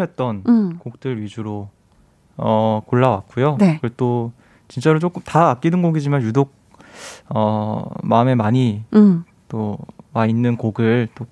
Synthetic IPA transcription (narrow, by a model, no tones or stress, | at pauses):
et̚t͈ʌnkok̚t͈ɯɾɥid͡ʑuɾo | ʌkoɭːawak̚k͈ujonekɯɾet͈o | t͡ɕint͡ɕ͈aɾot͡ɕok͈ɯmtaːk͈̚inɯnɡoɡid͡ʑimanjudok̚ | ʌmaɯme̞maɲi | t͈omainːɯnkoɡɯɭt͈o